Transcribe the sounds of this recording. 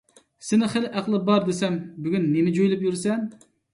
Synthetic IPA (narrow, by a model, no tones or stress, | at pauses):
sɪnɪχelʔæqlˠɨbɑɾd̪esɛmbyɡʲynːemɪd͡ʒojlˠɪpjyɾsɛn